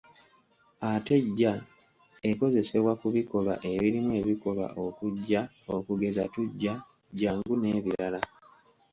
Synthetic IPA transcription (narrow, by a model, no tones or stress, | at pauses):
ate̞ɟːa | e̞ko̞ze̞se̞βwakuβiko̞βa̰ʔe̞βiɾimwe̞ːβiko̞βwa̰ʔo̞kuɟːa | okuɡe̞zatuɟːa | ɟːaːŋɡune̞ːβiɾala